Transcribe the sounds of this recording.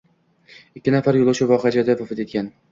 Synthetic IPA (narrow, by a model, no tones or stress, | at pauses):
ɪkʲːɪnafaɾjolˠʊʃʰɪvɒχad͡ʒad̪avʊfɪt̪e̞t̪̚kʲan